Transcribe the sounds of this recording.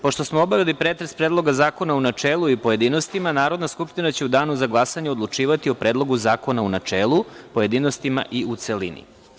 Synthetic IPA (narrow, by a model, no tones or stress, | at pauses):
po̞ʃt̪o̞smoobaʋelipɾet̪ɾespɾeːd̪lˠo̞ɡazaːko̞naunat͡ʃeːlˠuipoje̞d̪ino̞st̪imanaːɾo̞d̪naskupʃt̪inat͡ɕe̞ud̪aːnuzaɡlˠasaɲeod̪lˠut͡ʃiːʋat̪io̞pɾe̞ːd̪lˠo̞ɡuzaːko̞naunat͡ʂeːlˠupoje̞d̪iːno̞st̪ima̰ʔiut̪selḭnḭ